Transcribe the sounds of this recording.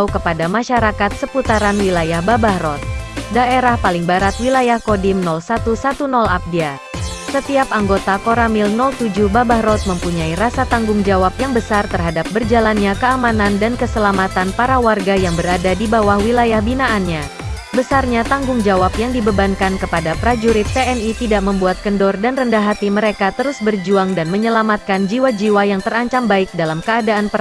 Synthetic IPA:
ukəpadamaʃaɾakat̪̚səput̪aɾanwilajahbabahɾɔt̪̚daeɾahpalɪŋbaɾat̪̚wilajahkodɪmnɔlsat̪usat̪unɔlap̚dia | sət̪iapaŋɡot̪akoɾamɪlnɔlt̪ud͡ʒuhbabahɾɔt̪̚məmpuɲaiɾasat̪aŋɡʊŋd͡ʒawap̚jaŋbəsart̪ərɦadap̚bərd͡ʒalanɲakəamanandankəsəlamat̪anpaɾawarɡajaŋbəɾadadibawahwilajahbinaʔanɲa | bəsarɲat̪aŋɡʊŋd͡ʒawapjaŋdibəbankankəpadapɾad͡ʒuɾɪt̪ːeɛnit̪idaʔməmbuat̪̚kəndɔrdanrəndaɦat̪iməɾekat̪əɾʊsbərd͡ʒuaŋdanməɲəlamat̪̚kand͡ʒiwad͡ʒiwajaŋt̪əraɲt͡ʃambaɪk̚dalamkəadaːnpə

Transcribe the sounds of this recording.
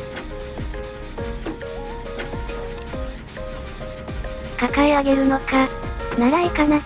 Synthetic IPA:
kakaeaɡe̞ɾɯ̟no̞kanaɡaikana

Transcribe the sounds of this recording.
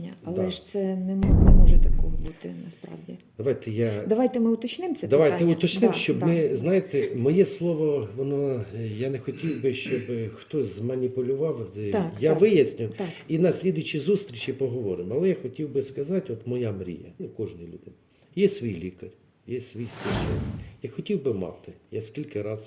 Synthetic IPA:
ɐɐlˠɛʃt̪sɛnɛnɛmɔʒɛt̪ɐkɔɦɔbut̪ɪnɐspɾɑ̰wdʲid̪ɐʋɑjt̪ɛjad̪ɐʋajt̪ɛmɪʊt̪ɔt͡ʃnɪmt̪sɛd̪ɐʋaj̪ɛʊt̪ɔt͡ʃnɪmʃt͡ʃɔbmɪznajet̪ɛmɔjɛslˠɔʋɔʋɔnɔjanɛxɔtʲiwbɪʃt͡ʃɔbxt̪ɔsʲzmɐnʲipʊlʲʊʋɑw̪jaʋɪjɐsʲnʲʊw̪akinɐsʲlʲid̪ʊjt͡ʃizust̪ʲɾʲit͡ʃɪpɔɦɔʋɔɾɪmɐlˠɛjaxɔtʲiwbɪskɐzɑtʲɔt̪mɔjamɾʲḭjɐ̰ɛkɔʒnɪjlʲud̪ɪnɐ | jɛsʲʋʲijlʲikɐrʲ | jɛsʋʲijst̪ɐt͡ʃɛ̰nʲjaxɔtʲiwbɪmɑ̰t̪ɪjasʲkʲilʲkɐɾɑz̥

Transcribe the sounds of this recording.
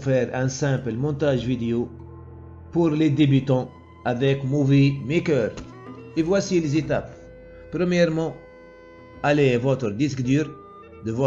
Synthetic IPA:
fɛɾɛ̃sɛ̃plmɔ̃t̪aʒvid̪eo | puʁled̪ebyt̪ɑ̃ | avɛkmovimekœɾ | evwasiːlzet̪apː | ɾəmjɛʁmɑ̃ | alevɔt̪ɾəd̪iskd̪yːɾ | d̪əvɔ

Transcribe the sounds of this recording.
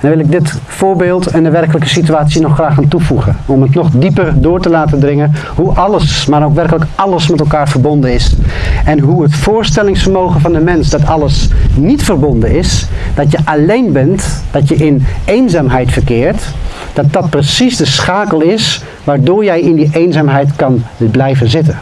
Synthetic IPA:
nɑʋɪlˠɪɡ̚dɪt | fʊːɹbeːlˠtɛndəʋɛrkələkəsityaːtsinɔχraːxaːntufuχəɔmətnɔχdipərdʊːɹtəlaːtədrɪŋə | ɦuʔɑləsmaːɾowkʋɛrkələkɑləsmɛtɛlˠkaːɹvəɹbɔndənɪsɛnɦuɦətfʊːɹstɛlɪŋsfəɹmowχənvɑndəmɛnsdɑtɑləsnitfərbɔndənɪsd̥ɑtjəʔalejnbɛntd̥ɑtjəɪnejnzaːmɦɛjtfəɹkɪːɹt | d̥ɑt̚dɑt̚prəsizdəsχaːkəlˠɪs | ʋaːɹdʊːɹjɛjɪndiʔejnzaːmɦɛjtkɑnblɛjvənzɪtən

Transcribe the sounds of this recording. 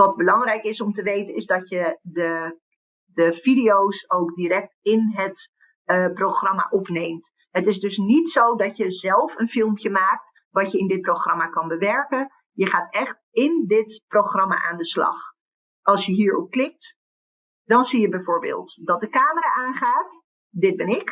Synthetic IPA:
ʋɑt̚bəlɑŋrɛjkɪsɔmtəʋejtənɪzdɔtjədə | dəfidiowsowkdiɾɛk̚tɪnɦət | proχrɑma̰ʔɔpnejmt | ɦətɪsdɵsnitsowdɑtjəzɛlˠfənfɪlˠmpjəmaːk̚t | ʋɑtjəɪndɪt̚proxrɑmakɑnbəʋɛɹkən | jəχaːtɛχt | ɪndɪtproχrɑma̰ʔaːndəslɑ̰x | ʔɑlˠsjəɦiːɹɔp̚klɪk̚t | d̥ɔnsijəbɛjfoːɹbḛːlˠtdɔt̚dəkaːməraʔaːnχaːt | dɪd̚bɪnɪk

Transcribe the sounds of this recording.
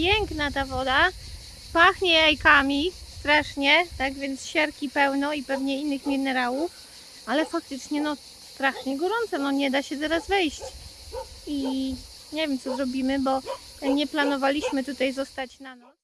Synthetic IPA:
pjɛŋknat̪avɔd̪a | paxɲɛajkamʲist̪ɾaʂɲɛt̪aɡvʲjɛnt̪sɕɛɾkʲipɛwnɔipɛvɲɛinːɘxmʲinɛɾawuf | alɛfak̚t̪ɘt͡ʂɲɛnɔ | st̪ɾaʂɲɛɡɔɾɔnt̪sɛnɔɲɛd̪aɕɛt̪ɛɾazvɛjɕt͡ɕ | i | ɲɛvʲjɛmt̪sɔzɾɔbʲimɘbɔ | ɲɛplanɔvalʲiɕmɘt̪ut̪ajzɔst̪at͡ɕnanɔ

